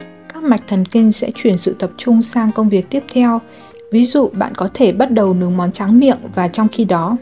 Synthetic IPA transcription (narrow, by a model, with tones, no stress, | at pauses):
kaː˦˥k̚ma˨˩jk̟̚t̪ʰə˨˩nkï˧ŋ̟sɛ̰˧˥t͡ɕwi˧˩ənsɨ̰˧˨t̪ə˨˩p̚t͡ɕʊ˧ŋ͡msaː˧ŋkə˧wŋ͡mvi˨˩ək̚t̪i˦˥əp̚t̪ʰɛ˧w | vi˨˦zṵ˧˨ɓa̰ː˧˨nkɔ˨˦t̪ʰe˧˩ɓa˦˥t̚ɗə˨˩wnɨ˨˦əŋmɔ˨˦nt͡ɕaː˨˦ŋmḭ˧˨əŋvaː˨˩t͡ɕɔ˧wŋ͡mxi˧ɗɔ˨˦